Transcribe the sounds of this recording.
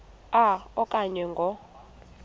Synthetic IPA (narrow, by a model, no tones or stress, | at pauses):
aɔkʼaɲɛŋɡʱɔ